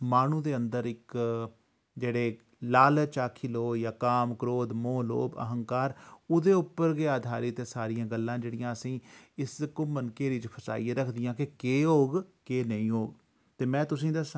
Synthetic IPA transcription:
maːnũːd̪eːənd̪əɾɪk | d͡ʒeːɽeː | laːlt͡ʃaːkʰiːloːjaːkaːmkɾoːd̪moːlo̰ːbə̰ɦəŋkaːɾʊd̪eːʊpːəɾɡeːaːd̪ʱaːɾiːt̪eːsaːɾɪjãːɡəlːãːd͡ʒeːɽɪjãːəsĩːɪskʊmənkeːɾiːt͡ʃpʰəsa̰ːiːeːɾəkʰd̪ɪjãːkɪkeːɦoːɡkeːnəĩːɦoːɡ | t̪eːmɛ̃ːt̪ʊsĩːd̪əs

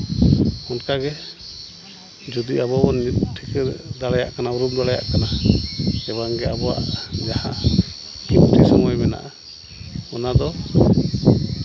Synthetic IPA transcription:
ɔnkaɡɛ | d͡ʒud̪iʔabɔɔnʈʰikɛd̪alaja̰ʔkanauɾumd̪aaja̰ʔkana | ɛbaŋɡɛabɔwa̰ʔd͡ʒaha̰ | kimʈʰisɔŋɔjmɛna̰ʔa | ɔnad̪ɔ

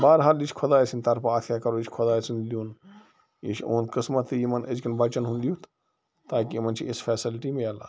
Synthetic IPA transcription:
baːɾɦaːlit͡ʃʰkʰod̪aːisinʲt̪ɐɾpɐaːt̪ʰjaːkɐɾoit͡ʃʰʲkʰod̪aːsʰinlijuːn | ḭt͡ʃʰo̰ːnkəsmɐt̪ʰːijimɐnəd͡ʒkɐnbɐt͡ʃɐnɦũnlijut̪ | t̪aːkimɐnt͡ʃʰiisfʰɛːsilʈimẽaːla̰ː

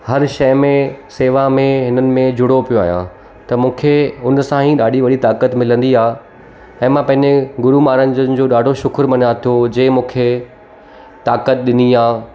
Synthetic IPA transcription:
hɐɾʃɐjmẽseːʋamẽɦɪnənɪ̆mẽd͡ʑʊɽopijoaːɦjã̰ | t̪ɐmũːkʰeʊnsãɦĩɗaːɗiʋɐɽit̪aːkət̪mɪlə̃nd̪iaː | ɛ̃ːmãpɐ̃ɦɪ̃ɲd͡ʑeɡʊɾumaːɾə̃nd͡ʑənɪ̆d͡ʑoːɗaːɖʱoʃʊkʰəɾmɐnat̪ʰijod͡ʑeːmũːkʰe | t̪aːkət̪̚ɗɪniaː

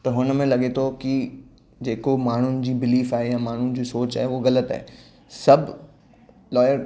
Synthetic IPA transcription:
t̪ɐɦʊnmẽlɐɠet̪ʰoki | d͡ʑeːkomaːɳ̤ʊnɪ̆d͡ʑiːbɪliːfaːɦejãmaːɳ̤ʊnɪ̆d͡ʑisoːt͡ɕa̰ːɦeʋoɣɐlət̪a̰ɦe | sɐbʱ | lɔːjəɾ

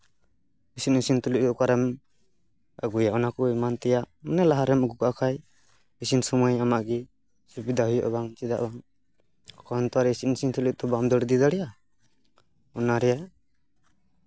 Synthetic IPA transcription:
isit̚nisint̪uliʔ̚t̪ɔɔkaɾɛm | aɡujaɔnakɔimant̪ɛjaʔ | manɛlaɦaɾɛmaɡukakʰaj | isinsɔmɔjamaʔɡi | subid̪ahujɔʔbaŋt͡ʃid̪aʔbaŋ | kʰɔnt̪ɔaɾɛisitnisint̪ʰulik̚t̪ɔbamd̪ɔɽd̪id̪aɽɛja | ɔnaɾɛja

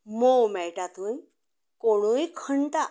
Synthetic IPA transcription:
mowmɛɭʈat̪uj | koɽ̃ujkʰəɳt̪a

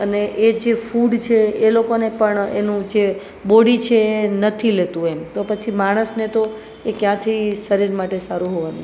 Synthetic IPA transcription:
əneʔed͡ʒefuɖt͡ʃʰeelokonepəɳḛnũd͡ʒe | boɽit͡ʃʰeːnət̪ʰilet̪ũemt̪opət͡ʃʰimaɽ̃əsnet̪o | ekjãt̪ʰisəɾiɾmaʈesaɾũɦoʋanu

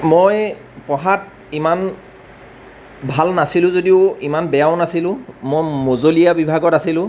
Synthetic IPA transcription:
moj | pɔɦat̚ | iman | bʱalnasilʊ̃zodiʊimanbɛjaʊnasilʊ̃mojmozolijabibʱaɡɔtasilʊ̃

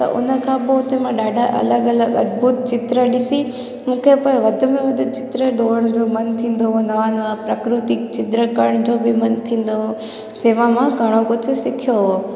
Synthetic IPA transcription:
t̪ɐ̰ʔʊ̰nə̆kʰãːboʊt̪emãɗaːɖʱaʔɐ̰ləɡɐləɡɐd̪̚buːt̪̚t͡ɕɪt̪ɾəɗɪsi | mũːkʰepoːɪ̃ʋɐd̪ʱʊ̆mẽʋɐd̪ʱɪt͡ɕɪ̥t̪ɾəɖoːɾəɽ̃d͡ʑoːmɐnt̪ʰĩːn̆d̪oɦonɐʋanʋapɾɐkɾɪt̪ɪk̚t͡ɕɪt̪ɾəkɐɾəɽ̃d͡ʑoːbʱɪmɐnt̪ʰĩːn̆d̪oɦo | d͡ʑeːʋãmãɡʱɐɽ̃okʊd͡ʑʰʊ̆sɪkʰijoɦoː

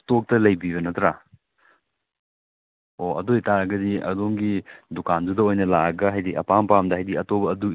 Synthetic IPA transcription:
tok̚tɐlɐjbiβɐnɐtɾa | oɐdojtaɾɐɡɐdiɐ̰doŋɡidukandudɐojnɐlaɡɐɦajdiɐ̰pampamdɐɦajdiɐtobɐːdu

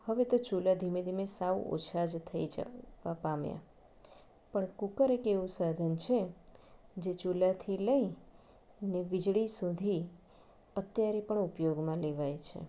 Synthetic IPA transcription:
həʋet̪ot͡ʃulad̪ʱimed̪ʱimesaʋo̰t͡ʃʰad͡ʒt̪ʰəid͡ʒa̰apamja̰ | pəɳkukəɾekeʋũsad̪ʱənt͡ʃʰe | d͡ʒet͡ʃulat̪ʰiləi | neʋid͡ʒɭisud̪ʱi | ət̪jaɾepəɳupjoɡmãleʋajt͡ʃʰḛ

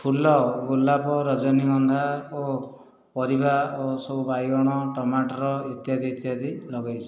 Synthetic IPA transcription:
pʰulɔɡulːapɔɾɔd͡ʒɔniɡɔnd̪ʱao | pɔɾibaosɔbubajɡɔɽ̃ɔʈɔmaʈɔɾɔit̪jad̪it̪jad̪ilɔɡajt͡ʃʰi̥

